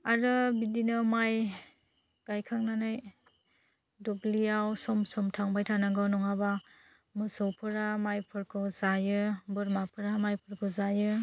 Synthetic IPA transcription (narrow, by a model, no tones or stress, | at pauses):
aɾɯbidinɯmaj | ɡ̥ajkʰaŋnanaj | dɔɡlijawsɔmsɔmtʰaŋbajtʰanaɡawnɔŋaba | mɯsɔwpʰɯɾamajpʰɯɾkʰɯzajɯbɯɾmapʰɯɾamajpʰɯɾkʰɯzajɯ